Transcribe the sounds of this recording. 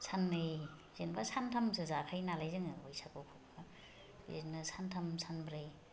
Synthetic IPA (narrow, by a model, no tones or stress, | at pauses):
sʰanːɯj | zenbasantʰamsɯzakʰajnalajzɯŋɯojsʰakɔkʰokka | ḛnɯsantʰamsʰanbɾɯj